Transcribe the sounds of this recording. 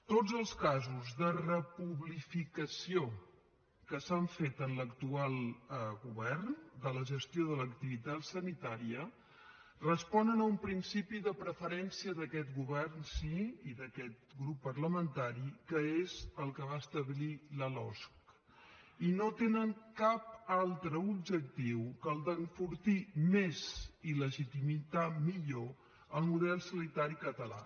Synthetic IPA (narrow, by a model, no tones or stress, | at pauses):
t̪od͡zəlˠskazuzðərəpuβlifikəsio | kəsaɱfet̪ənləkt̪ualˠɣuβɛrnd̪ələʒəst̪joðələkt̪iβit̪at̪sənit̪aɾiə | rəspɔnənəumpɾinsipiðəpɾəfəɾɛnsiəðəkɛt̪ɣuβɛrnsiiðəkɛt̪̚ɡɾupːərləmənt̪aɾikəezəlˠkəβaəst̪əβliləlɔ̰sk | inot̪enəŋkap̚alˠt̪ɾəubd͡ʒək̚t̪iwkəlˠd̪əɱfuɾt̪imeziləʒit̪imit̪amiʎo | əlˠmuðɛlˠsənit̪aɾikət̪əla̰